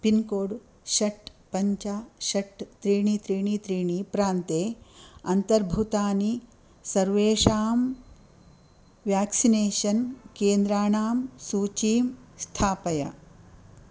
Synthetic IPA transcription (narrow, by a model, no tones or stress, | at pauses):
pinkoːɽ | ʃɐʈpɐɲt͡ʃɐʃɐʈt̪ɾiːɳit̪ɾiːɳit̪ɾiːɳipɾaːnt̪eːɐnt̪ɐɾbʱut̪aːni | sɐɾʋeːʃaːm | ʋjaːksineːʃɐnkeːnd̪ɾaːɳaːmsuːt͡ʃiːmst̪ʰaːpɐjɐ̰